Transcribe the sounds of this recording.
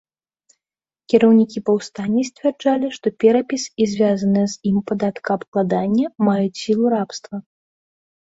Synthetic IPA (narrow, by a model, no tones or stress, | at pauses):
kʲɛɾɐwnʲikʲipɐwst̪anʲːisʲt͡sʲvʲɛrd͡ʐalʲiʂt̪ɔpʲɛɾɐpʲisizʲvʲazɐnɨjzimpad̪at̪kɐːpklˠad̪anʲːɐmajut͡sʲsʲilˠuɾapst̪vɐ